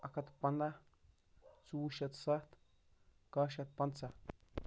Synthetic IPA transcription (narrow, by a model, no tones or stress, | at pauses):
akat̪pand̪a | t͡suuʃat̪sat̪ | kaʃat̪̚pand̪t͡sa